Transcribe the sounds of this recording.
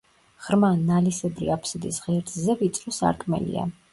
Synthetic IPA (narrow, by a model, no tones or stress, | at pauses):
ʁ̥ɾmanːalisɛb̪ɾḭapʰsid̪isʁɛɾt̪ʼzɛvit̪sʼɾɔsa̰ɾkʼmɛ̰lḭa̰